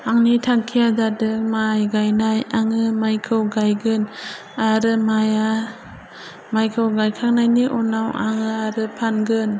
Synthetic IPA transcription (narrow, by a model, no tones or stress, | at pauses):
aŋnitʰaŋkʰijadadɯk̚majɡajnajaŋɯmajkʰɯwɡajɡɯn | aɾɯmaja | majkʰɯwɡajkʰaŋ̚najniʔɔnawaŋɯaɾɯpʰanɡɯn